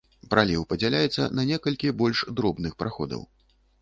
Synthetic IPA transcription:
pɾalʲiwpɐd͡zʲɛlʲajɛt̪sːɐ̰nɐnʲɛkɐlʲkʲibɔlʲʂd̪ɾɔbnɨxpɾaxɔd̪ɐ̰w

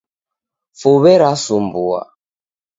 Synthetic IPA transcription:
fuβɛɾasumbua̰

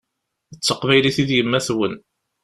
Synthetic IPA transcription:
ət͡sːəqvæjliθiðjəmːæθwən

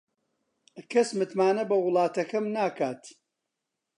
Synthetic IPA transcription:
kʰɐsmɨt̪maːnɐbɐwʊlˠɑːt̪ɐkɐmnaːkaːt̪

